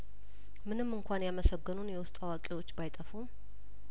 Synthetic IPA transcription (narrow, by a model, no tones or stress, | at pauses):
mɨnɨmːɨŋkʷʰanjaməsəɡːɨnunjɛwʊst̪ʼawakʼewo̞t͡ʃːbajt̪ʼəfum